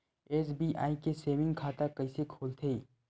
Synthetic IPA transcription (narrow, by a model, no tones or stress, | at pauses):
eːs̬biːʔa̰ːikeseːmɪ̃ŋɡkʰaːt̪akɐisekʰoːlt̪ʰeː